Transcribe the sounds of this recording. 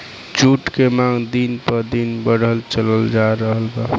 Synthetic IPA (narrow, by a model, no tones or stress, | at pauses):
t͡ʃuʈkemaŋd̪inpəd̪inbəɽəlt͡ʃələld͡ʒaɾəɦəlba